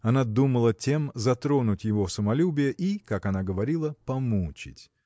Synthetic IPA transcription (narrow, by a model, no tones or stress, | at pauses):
ɐnad̪uməlˠətʲe̞mzɐt̪ɾo̞nʊtʲjɪvofsəmɐlʲubʲɪjəʔikakɐnaɡəvɐɾʲilˠəpɐmut͡ɕɪ̰tʲ